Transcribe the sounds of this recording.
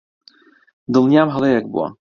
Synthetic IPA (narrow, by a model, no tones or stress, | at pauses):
d̪ɨlˠnjamɦəlˠejɛk̚bṵa̰